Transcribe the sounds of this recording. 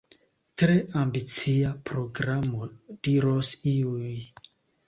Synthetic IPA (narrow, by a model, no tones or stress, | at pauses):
tɾe̞ʔambit͡siapɾo̞ɡɾamod̥iɾosiuj